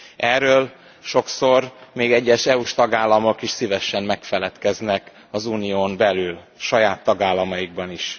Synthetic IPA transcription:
ɛrːøːl | ʃo̞kso̞rmeːɡɛɟːɛʃɛuʃt̪ɒɡaːlːɒmo̞kiʃsivɛʃɛmːɛkfɛlɛt̪kɛznɛk | ɒzuːnijoːmbɛlyl | ʃɒjaːt̪ːɒɡaːlːɒmɒjiɡ̚bɒniʃ

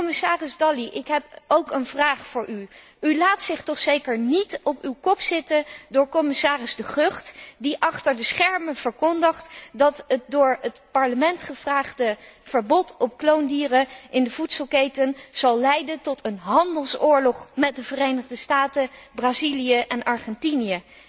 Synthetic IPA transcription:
mɪsaːrɪzdɑliʔɪkɦɛpowkənvraːχfʊːɹʔy | ylaːtsɪχtɔχsejkəɹnitɔpywkɔpsɪtədʊːɹkɔmɪsaːrɪzdəχøχtdiʔɑχtəɹdəsχɛɹməv̥əɹkɔndəχtdɑtət̚dʊːɹətpɑɹləmɛntχəv̥raːχdəv̥əɹbɔtʰɔp̚klowndiːrəʔɪndəv̥utsəlˠkejtənz̥ɑlˠlɛjdəntɔtʰənɦɑndəlˠsʊːɹlɔχmɛt̚dəvərejnəχdəstaːtəbraːzilijəʔɛnʔɑɹχɛntinijə

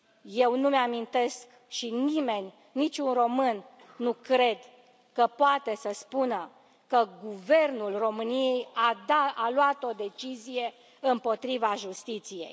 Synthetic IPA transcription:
je̞wnumeamint̪e̞sk | ʃinime̞nʲːit͡ʃʲunro̞mɨnː | ukɾe̞d̪ | kəpoat̪e̞səspunə | kəɡuve̞rnulro̞mɨnije̞jaalwat̪o̞d̪e̞t͡ʃizije̞ | ɨmpo̞t̪ɾivaʒust̪it̪sije̞̰j

